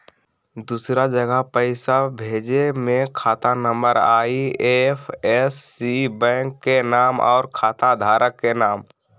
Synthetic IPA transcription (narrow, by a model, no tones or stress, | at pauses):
d̪usɾad͡ʒəɡəɦpəɪsabʱeːd͡ʒemẽkʰaːt̪anəmbəɾaːiepʰesːibɛ̃ːŋkːenaːmɔ̰ːɾkʰaːt̪ad̪ʱaːɾəkːenaːm